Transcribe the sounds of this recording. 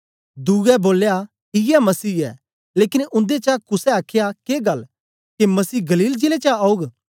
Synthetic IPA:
d̪uːɡɛboːlja | ɦijɛmɐsiːɛ̰ː | leːkɪnʊ̃nd̪et͡ʃakʊsɛaːkʰjakeːɡɐl | kemɐsiːɡɐliːld͡ʒeːlet͡ʃaaːuɡ

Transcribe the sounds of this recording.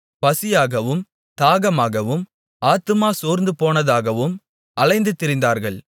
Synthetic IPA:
pɐsɪjaːɣɐʋɯm | t̪aːɣɐmaːɣɐʋɯm | aːt̪ɯmaːsoːɾnd̪ɯpoːnɐðaːɣɐʋɯm | ʔɐlɐɪnd̪ɯt̪ːɪɾɪnd̪aːɾɣɐɭ

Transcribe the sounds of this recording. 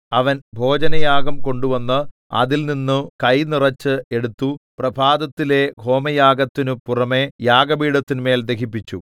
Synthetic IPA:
ɐʋɐnbʱo̞ːd͡ʑɐnɐjaːɡɐmko̞ɳɖuʋɐnːɐ | ɐ̰ðilninːɨkɐjnirɐt͡ɕːɨe̞ɽut̪ːuprɐbʱaːd̪ɐt̪ːile̞ɡʱo̞ːmɐjaːɡɐt̪ːinupurɐme̞jaːɡɐbiːɽɐt̪ːinume̞ːld̪ekipːit͡ɕːṵ

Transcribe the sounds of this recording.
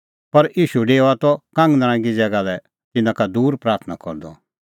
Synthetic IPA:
pɐɾʔiːʃuɖeːoat̪ɔkãŋɡnaɾ̃ãɡid͡zɛɡalɛ | t̪ɪnãkad̪uːɾpɾaːɾt̪ʰna̰kɔ̰ɾd̪ɔ̰

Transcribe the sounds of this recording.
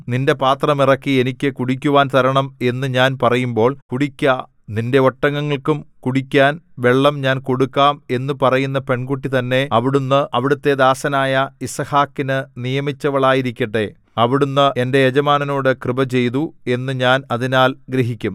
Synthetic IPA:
ninde̞paːt̪rɐmirɐkːie̞nikʲːɨkuɽikʲːuʋaːnt̪ɐɾɐɳɐme̞nːɨɲaːnpɐrɐjumbo̞ːɭkuɽikʲːɐ | ninde̞oʈːɐŋːɐŋːɐɭkumkuɽikʲːaːnʋe̞ɭːɐmɲaːnko̞ɽukːaːme̞nːupɐrɐjunːɐpe̞ɳɡuʈːit̪ɐnːe̞ɐʋiɽunːɨʔɐʋiɽut̪ːe̞d̪aːsɐnaːjɐisɐhaːkːinɨnijɐmit͡ɕːɐʋɐɭaːjiɾikʲːɐʈːe̞ | ɐʋiɽunːɨe̞nde̞jed͡ʑɐmaːnɐno̞ːɽɨkrɨbɐt͡ɕe̞jt̪ue̞nːɨɲaːnɐðinaːlɡɾeɦikʲːum

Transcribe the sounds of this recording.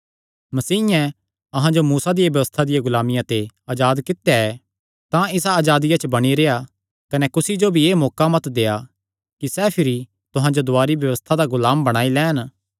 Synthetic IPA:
mɐsiːɪjɛ̃ | ɐɦãd͡ʒomuːsad̪ɪjabjɐʋəst̪ʰad̪ɪjaɡʊlaːmɪjãt̪eaːd͡ʒaːd̪kɪt̪jaɛ | t̪ãɪsaːd͡ʒaːd̪ɪjat͡ʃəbɐɽ̃iɾeːja | kɐnɛkʊsid͡ʒobʱieːmɔːkamɐt̪d̪eːa | kisɛːpʰɪɾi | t̪ʊɦãd͡ʒod̪ʊaːɾibjɐʋəst̪ʰad̪aɡʊlaːmbɐɽ̃aːilɛːn

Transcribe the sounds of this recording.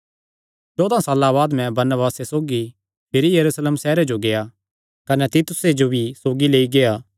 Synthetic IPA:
t͡ʃɔːd̪ãsaːlaβaːd̪mɛ̃bɐɾnəbaːsesoːɡi | pʰɪɾijɐɾuːsleːmsɛːɾed͡ʒoɡeja | kɐnɛt̪ɪt̪ʊsed͡ʒobʱisoːɡileːiɡeaː

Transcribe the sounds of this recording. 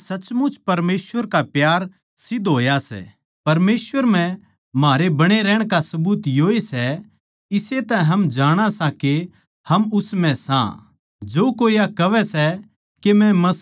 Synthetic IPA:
sɐt͡ʃmʊt͡ʃpɐɾmeːsʋəɾkapjaːɾ | sɪd̪ʱɦoːjasɛ̰ | pɐɾmeːsʋəɾm̤ɛ̃ | maːɾebɐɽ̃eɾɛːɽ̃kasɐbuːt̪joːesɛ | ɪset̪ɛ̃ɦɐmd͡ʒaːɽ̃asãke | hɐmʊsmɛ̃sã̰ | d͡ʒoːkoːijakɐʋɛsɛ | kemɛ̃mɐ

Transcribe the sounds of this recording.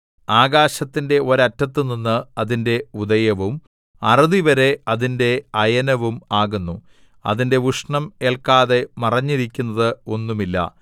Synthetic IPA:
aːɡaːɕɐt̪ːinde̞o̞ɾɐtːɐt̪ːɨninːɨɐðinde̞uðɐjɐʋum | ɐrɐðiʋɐɾe̞ɐðinde̞ɐjɐnɐʋumaːɣunːu | ɐ̰ðinde̞ʋuʂɳɐme̞ːɭkaːðe̞mɐrɐɲːiɾikʲːunːɐðɨo̞nːumilːɐ̰

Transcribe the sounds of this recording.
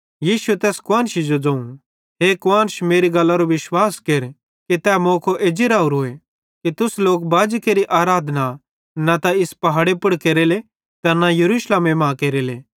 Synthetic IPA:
jiːsuet̪ɛːskʊãːnʃid͡ʒod͡zɐ̃ũ | ɦekʊãːnʃmeːɾiɡɐlːaɾoʋɪʃwaːskeɾ | kit̪ɛːmõːkʰoʔeːd͡ʒɪɾaːuɾoe | kit̪ʊsloːkbaːd͡ʒkeːɾiʔaːɾaːd̪ʱna | nat̪aɪspɐɦaːɽepʊɽkeːɾele | t̪ɐɾnajɐɾuːsleːmemãːkeːɾeleː

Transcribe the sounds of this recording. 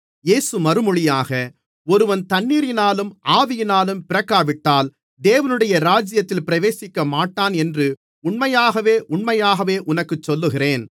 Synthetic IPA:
jeːsɯmɐɾɯmɔɻɪjaːɣɐ | ɔɾɯʋɐnt̪ɐɳːiːɾɪnaːlɯmaːʋɪjɪnaːlɯmpɪɾɐkːaːʋɪʈːaːl | d̪eːʋɐnɯɽɐjɐɾaːd͡ʒɪjɐt̪ːɪlpɪɾɐʋeːsɪkːɐmaːʈːaːnɛndrɯ | ʊɳmɐjaːɣɐʋeːʔʊɳmɐjaːɣɐʋeːʔʊnɐkːɯt͡ʃːɔlːɯɣɪreːn

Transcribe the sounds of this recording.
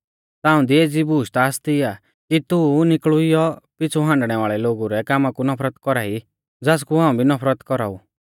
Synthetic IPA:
t̪aːũd̪ieːd͡zibuːʃt̪aːst̪ia | kit̪unɪkɭuijɔpɪt͡sʰuɦãːɳɖɽ̃ɛʋaːɭɛloːɡuɾɛkaːmakunɔpʰɾət̪kɔɾaːi | d͡zaːs̬kuɦãːũbʱinɔpʰɾət̪kɔɾa̰ːu

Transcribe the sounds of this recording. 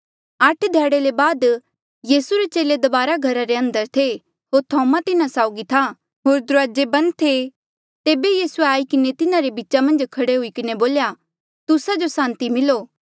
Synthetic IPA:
ɐʈʰd̪ʱjɛːɽelebaːd̪ | jiːsuɾet͡ʃeːled̪ɐbaːɾaɡʱɐɾaɾeɐ̃nd̪əɾt̪ʰe | ɦoːɾt̪ʰɔːmat̪ɪnasaːʊɡit̪ʰa | ɦoːɾd̪ʊɾaːd͡ʒebɐ̃n̚t̪ʰːe | t̪eːbejiːsueaːikɪnet̪ɪnãɾebiːt͡ʃamɐ̃nd͡ʒkʰɐɽeɦʊikɪneboːlja | t̪ʊsad͡ʒosãːnt̪imɪloː

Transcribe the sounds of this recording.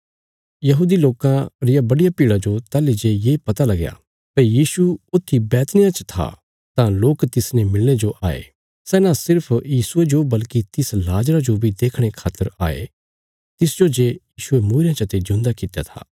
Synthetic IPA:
jɐɦuːd̪iloːkãɾɪjabɐɽɪjapiːɽad͡ʒot̪aːlid͡ʒeːjeːpɐt̪alɐɡja̰ | pɐjiːsuʊt̪ʰːibɛːt̪nɪjãt͡ʃə̥t̪ʰa̰ | t̪ãloːkt̪ɪsnemɪlñed͡ʒoʔaːḛ | sɛːnãsɪɾpʰjiːsʊed͡ʒobɐlkit̪ɪslaːd͡ʒɾad͡ʒobʱid̪eːkʰɽ̃ekʰaːt̪əɾa̰ːḛ | t̪ɪsd͡ʒod͡ʒeːjiːʃʊemũːɾɪjãt͡ʃɐt̪ed͡ʒʊ̃nd̪akɪt̪jat̪ʰa̰ː

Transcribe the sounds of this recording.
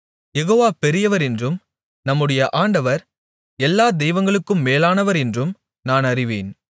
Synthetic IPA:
jɛɣoːʋaːpɛɾɪjɐʋɐɾɛndrɯm | nɐmːɯɽɐjɐʔaːɳɖɐʋɐɾ | ɛlːaːd̪ɛjʋɐŋɡɐɭɯkːɯmːeːlaːnɐʋɐɾɛndrɯm | naːnɐrɪʋḛːn

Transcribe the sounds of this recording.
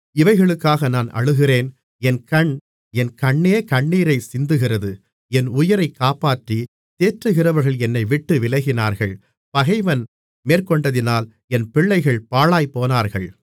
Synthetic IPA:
ɪʋɐɪɣɐɭɯkːaːɣɐnaːnʔɐ̰ɻɯɣɪreːn | ɛnkɐɳ | ɛnkɐɳːeːkɐɳːiːɾɐɪsɪnd̪ɯɣɪrɐðɯ | ɛnʊjɐɾɐɪkːaːpaːʈri | t̪eːʈrɯɣɪrɐʋɐɾɣɐɭɛnːɐɪʋɪʈːɯʋɪlɐɣɪnaːɾɣɐɭ | pɐɣɐɪʋɐn | meːrkɔɳɖɐðɪnaːl | ɛnpɪɭːɐɪɣɐɭpaːɭaːjpoːnaːɾɣɐɭ

